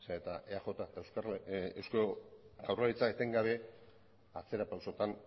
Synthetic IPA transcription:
set̪aʔeaxo̞t̪at̪ewskaewskoɡawralit͡saet̪eŋɡaβe̞ | at͡se̞ɾapawso̞t̪an

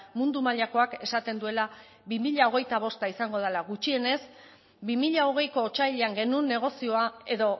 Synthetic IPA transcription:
mund̪umaʎako̞ake̞sat̪e̞nd̪ue̞la | βimiʎao̞ɣ̞e̞jt̪aβ̞o̞st̪aisaŋɡo̞ð̞alaɣut͡ʃie̞ne̞s | bimiʎao̞ɣ̞e̞jko̞ːt͡ʃajʎeaŋɡe̞nunːe̞ɣ̞o̞sio̞ae̞ðo̞

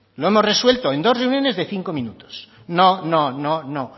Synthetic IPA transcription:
lo̞e̞mo̞zre̞swe̞lt̪oe̞nd̪o̞zre̞unjo̞ne̞zðe̞θiŋko̞mĩnut̪o̥s | nononono

